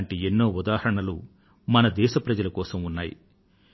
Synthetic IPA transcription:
ɳʈienːo̞ːud̪aːɦɐɾɐɳɐlṵ | mɐnɐd̪ɛːʃɐpɾɐd͡ʒɐlɐkɔːsɐmunːaːjḭ

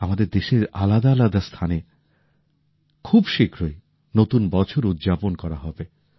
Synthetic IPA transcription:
amad̪eɾd̪eʃeɾa̰lad̪aːlad̪ast̪ʰane | kʰubʃikɾoe | not̪unbɔt͡ɕʰoɾud̪d͡ʑaponkɔɾaɦɔbe

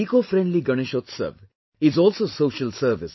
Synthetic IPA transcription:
iːkofɾẽɳɖliɡʌñɪʃoːt̪sə̰ʋ | ɪzɔːlsosoːʃəlsəɾʋɪs

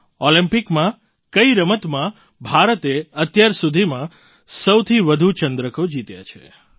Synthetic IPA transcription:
olĩmpikmã | kəiɾəmət̪mã | bʱaɾət̪eət̪jaɾsud̪ʱimã | səwt̪ʰiʋəd̪ʱut͡ʃənd̪ɾəkod͡ʒit̪ja̰t͡ʃʰḛ

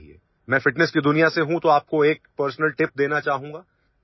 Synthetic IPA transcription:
iḛː | mɛ̃ːfɪʈnɛskid̪ʊnijaseɦũt̪oaːp̚koeːk̚pəɾsnəlʈɪp̚d̪eːnat͡ʃaːɦũːŋɡaː

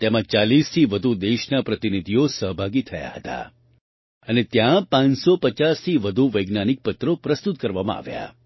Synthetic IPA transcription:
t̪emãt͡ʃalist̪ʰiʋəd̪ʱud̪eʃnapɾət̪inid̪ʱijosəɦbʱaɡit̪ʰəja̰hət̪a̰ | ənet̪jãpãnsopət͡ʃast̪ʰiʋəd̪ʱuʋəjɡnanik̚pət̪ɾopɾəst̪ut̪kəɾʋamã̰a̰ʋja̰

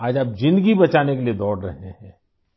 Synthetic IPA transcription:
aːd͡ʒaːp̚d͡ʒɪ̃nd̪ɡibɐt͡ʃaːnekelied̪ɔːɽɾɐ̰ɦehɛ̃ː

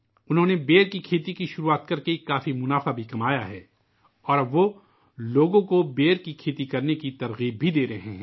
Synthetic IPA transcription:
ʊnɦõnebeːɾkikʰeːt̪ikiʃʊɾuaːt̪kɐɾkekaːfimʊnaːfabʱikɐmaːjaɦɛː | ɔːɾʋo | loːɡõkobeːɾkikʰeːt̪ikɐɾnekit̪ɐɾɣiːb̚bʱid̪eːɾɐɦẽɦɛ̃

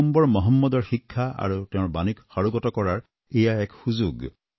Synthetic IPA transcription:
mbɔɹmɔɦɔmːɔdɔɹxikʰːaa̰ɹutɛʊ̃ɹbanikxaɹuɡɔtɔkɔɹaɹ | ejaɛkhuzuɡ

